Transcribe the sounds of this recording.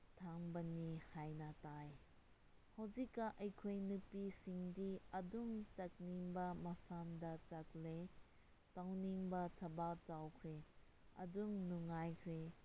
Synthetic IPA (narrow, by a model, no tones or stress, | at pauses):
tʰaŋbɐnihajnɐtaj | hɐwzikːɐʔɐjkʰojnɯpisiŋdiɐduŋt͡ʃɐk̚niŋbɐmɐsʰamdɐt͡ʃɐk̚le | tawniŋbɐtʰɐbat͡ʃawkʰɾe | ɐ̰duŋnuŋajkʰɾe